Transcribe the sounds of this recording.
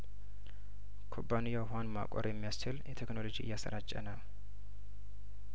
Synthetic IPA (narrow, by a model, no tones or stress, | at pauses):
kʰobːanijawɦanma̰kʼɔ̰ɾjɛmːijast͡ʃɪljɛt̪ʰekno̞lo̞d͡ʒiɨ̰jːasə̰ɾat͡ʃʼːənəw